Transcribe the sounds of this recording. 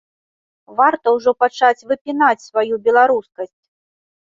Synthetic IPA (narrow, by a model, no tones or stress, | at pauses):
vart̪ɐwʐɔpat͡ʂat͡sʲvɨpʲinat͡sʲsvajubʲɛlˠaɾuskɐsʲt͡sʲ